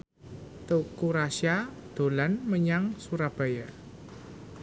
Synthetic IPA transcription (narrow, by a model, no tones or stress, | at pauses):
t̪ukuɾaʃjad̪̥o̤lanməɲaŋsuɾab̥a̤ja